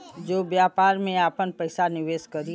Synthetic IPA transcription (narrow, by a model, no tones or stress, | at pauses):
d͡ʒoːʋjaːpaːɾmẽaːpənpɐɪsanɪʋeːʃkɐɾi